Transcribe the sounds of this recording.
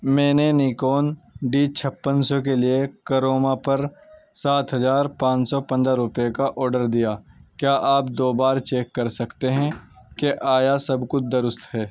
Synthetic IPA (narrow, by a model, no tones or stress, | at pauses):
mɛ̃ːneniːkoːnɖiːt͡ʃʰɐpːənsɔk̬eliekəɾoːmapɐɾsaːt̪ɦɐzaːɾpãːt͡ʃsɔpɐ̃nd̪ɾaɾʊpjekaʔɔːɾɖəɾd̪ijaːkjaːʔaːp̚d̪oːbaːɾt͡ʃeːkːɐɾsɐkt̪eɦɛ̃keʔaːjasɐbkʊt͡ʃʰd̪ɐɾʊst̪ɦɛː